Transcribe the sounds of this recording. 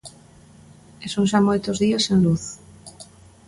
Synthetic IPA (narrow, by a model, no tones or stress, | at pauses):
esunʃamojt̪ozðiasenluθ